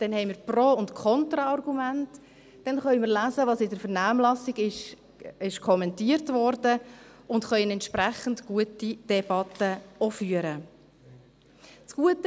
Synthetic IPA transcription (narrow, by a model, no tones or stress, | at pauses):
d̥ɛnhɛɪmiːɾproːʊntkʰɔntɾɑɑrɡumænt | d̥ɛnχœʏmɪɾlæːzəʋɑːsɪdəɾfəɾnaːmlɑsiɡɪʃ | ɪʃkʰɔmɛntiəɾtʋɔɾdə | ʊntχœʏənɛntʃpɾæχən̩tɡ̥uətid̥ɛbɑt̪əofyːəɾə | t͡sɡ̥uətə